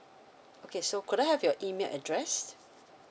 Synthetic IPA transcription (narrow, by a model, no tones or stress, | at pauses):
okʰesoʊkʰʊɾaɪhəvjəɹʔiːmelʔə̰dɹɛst